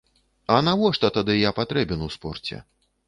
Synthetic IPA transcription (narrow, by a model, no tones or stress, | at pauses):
ɐnavɔʂt̪ɔt̪ad̪ɨjapat̪ɾɛbʲɛnuwspɔrt͡sʲɛ̰